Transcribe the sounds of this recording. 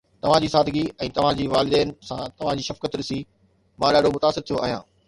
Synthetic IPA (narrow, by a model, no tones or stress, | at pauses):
t̪ɐʋ̤ãd͡ʑiːsaːd̪ʱɪɡiɛ̃ːt̪ɐʋ̤ãd͡ʑiːʋaːlɪd̪ɛːnɪ̆sãt̪ɐʋ̤ãd͡ʑiːʃɐfkət̪ɾɪsi | mãːɗaːɖomʊt̪aːsɪɾt̪ʰijoʔaːɦijã̰ː